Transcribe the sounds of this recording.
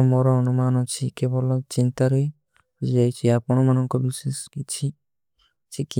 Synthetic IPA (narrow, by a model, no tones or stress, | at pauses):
mɔɾɔɔnumanɔt͡ʃʰikebɔlɔt͡ʃint̪aɾɔj | d͡ʒd͡ʒajt͡ʃʰiapɔɽ̃ɔmanɔŋkɔbiseskit͡ʃʰi | t͡ʃʰiki